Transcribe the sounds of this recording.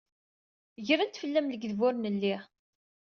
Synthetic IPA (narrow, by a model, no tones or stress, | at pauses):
ʝɾænt̪fəlːæmləɡðvʊɾnəlːiʁ